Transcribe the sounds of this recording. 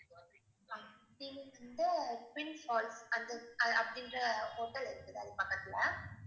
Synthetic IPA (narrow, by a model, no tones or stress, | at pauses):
ɐ | ɽinɐnd̪ɐswɪnfɔːlsɐnd̪ɐɐɐpɐɽɪndɾɐhoːʈːɐlɪɾɯkːɯðɐðɯpɐkːɐt̪ːɪlɐ